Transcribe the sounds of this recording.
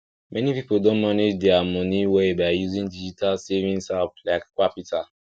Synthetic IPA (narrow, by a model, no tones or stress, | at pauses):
mɛnipipoldõnmaned͡ʒdɛamɔ̃niwɛebajuzĩŋdid͡ʒitʰalsɛvĩŋsaplaɪkkwapjutʰa